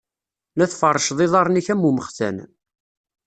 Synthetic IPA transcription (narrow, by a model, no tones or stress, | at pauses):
læθfərˤːəʃðˤɪðˤɑɾˤniçæmːuməχθæ̰n